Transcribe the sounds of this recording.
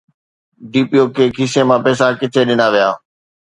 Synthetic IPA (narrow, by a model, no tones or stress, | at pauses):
ɖiːpijoːkʰeːkʰiːsemãːpɛːs̬akɪt̪ʰeɗɪnaʋijaː